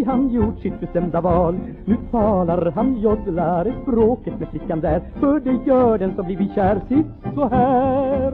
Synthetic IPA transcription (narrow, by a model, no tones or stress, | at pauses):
ɦanjuʈːsɪt̪̚bɛsɛmd̪avɑːl | nʉ̟ːt̪ʰɑːlaɾɦanjɔd̪laɾɛspɾoːkət̪mɛːflɪkːand̪æɾfœɖɛjœːɖɛnsɔmbliɾvɪɕæːɾsɪt̪sɔɦæːɾ